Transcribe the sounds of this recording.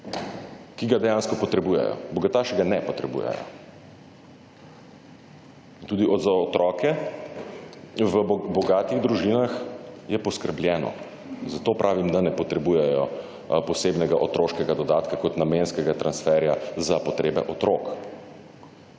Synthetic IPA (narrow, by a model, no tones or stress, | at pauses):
kiɡad̪ɛjanskɔpɔt̪ɾɛbujɛ̰jɔ̰bɔɡat̪aːʃiɡanɛpɔt̪ɾɛbṵjɛ̰jɔ̰ | t̪uːd̪iʔɔd̪zaɔt̪ɾɔːkɛ | ʋəbɔɡaːt̪iɣd̪ɾuʒinaxjɛpɔskəɾbljɛːnɔ̰ | zat̪opɾʔaːʋimd̪anɛpɔt̪ɾɛbujɛjɔ̰ | pɔsebnɛɡaʔot̪ɾoːʃkɛɡad̪ɔd̪aːt̪kakɔt̪namenskɛɡat̪ɾansfɛɾjazapɔt̪ɾeːbɛ̰ʔɔt̪ɾoːk